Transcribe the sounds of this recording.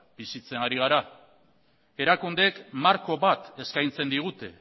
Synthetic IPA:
bisit͡se̞naɾiɣ̞aɾa | e̞ɾakund̪ekmaɾko̞βat̪e̞skajnt͡se̞nd̪iɣ̞ut̪e̞

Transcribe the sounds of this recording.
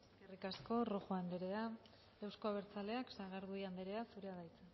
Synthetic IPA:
ekerikasko̞roxoend̪eɾe̞a | ewsko̞aβ̞e̞ɾt͡sale̞aksaɣaɾðuiand̪eɾe̞asuɾeaðajt͡se

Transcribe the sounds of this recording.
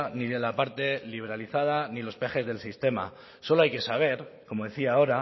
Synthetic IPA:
niðelapaɾt̪e̞liβ̞e̞ɾaliθað̞anilo̞spe̞xe̞zðe̞lsist̪e̞ma̰ | so̞lo̞ajke̞saβ̞e̞ɾko̞mo̞ðe̞θiao̞ɾa

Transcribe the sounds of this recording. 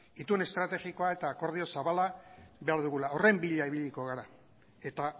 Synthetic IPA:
it̪une̞st̪ɾat̪e̞ɣiko̞ae̞t̪aːko̞ɾð̞io̞saβalaβe̞aɾðuɣulao̞re̞mbiʎaiβiʎiko̞ɣaɾa | e̞t̪a

